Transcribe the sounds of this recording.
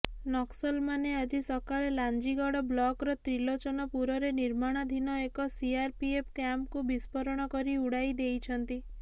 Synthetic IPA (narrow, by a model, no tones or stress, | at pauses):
nɔksɔlmanead͡ʒisɔkaɭeland͡ʒiɡɔɽɔblɔkɾɔt̪ɾilot͡ʃɔnɔpuɾɔɾeniɾmaɽ̃ɔd̪ʱinɔekɔsiaɾpiep̚ʰkjamp̚kubispɔɾɔɽ̃ɔkɔɾiuɽajd̪ejt͡ʃʰɔnt̪i